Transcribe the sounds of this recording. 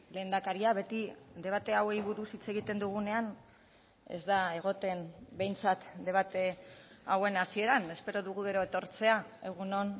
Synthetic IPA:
le̞ːnd̪akaɾiaβe̞t̪id̪e̞β̞at̪e̞awejβuɾusit͡se̞ɣit̪e̞nd̪uɣ̞une̞an | e̞̰zd̪ae̞ɣ̞o̞t̪e̞nbe̞jnt͡sat̪d̪e̞βat̪e̞awe̞nasie̞ɾane̞spe̞ɾo̞ðuɣuɣe̞ɾoet̪o̞ɾt͡se̞ae̞ɣ̞uno̞n

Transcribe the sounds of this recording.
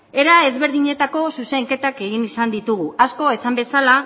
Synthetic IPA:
e̞ɾae̞zβe̞ɾðiɲe̞t̪ako̞suse̞ŋke̞t̪ake̞ɣ̞inisand̪it̪uɣuasko̞e̞sambe̞sala

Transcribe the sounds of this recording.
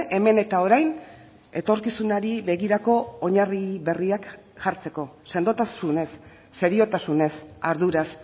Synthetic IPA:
ʔe̞me̞ne̞t̪ao̞ɾajn | e̞t̪o̞ɾkisunaɾiβe̞ɣiɾako̞ːɲariβe̞riak | ʝaɾt͡se̞ko̞se̞nd̪o̞t̪asune̞sː | e̞ɾio̞t̪asune̞saɾðuɾas

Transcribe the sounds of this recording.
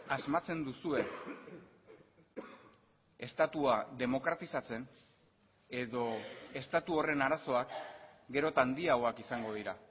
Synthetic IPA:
azmat͡se̞nd̪usue̞ | e̞st̪at̪uaðe̞mo̞kɾat̪isat͡se̞n | e̞ðo̞e̞st̪at̪uo̞re̞naɾaso̞akɡe̞ɾo̞t̪and̪iaoakisaŋɡo̞ðiɾa

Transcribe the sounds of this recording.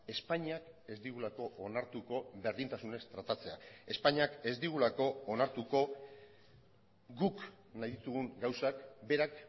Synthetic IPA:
e̞spaɲiake̞zd̪iɣulako̞onaɾt̪uko̞βe̞ɾðint̪asune̞st̪ɾat̪at͡se̞ae̞spaɲiake̞zd̪iɣ̞ulako̞ːnaɾt̪uko̞ | ɡuk | najðit̪uɣuŋɡawsakbe̞ɾak

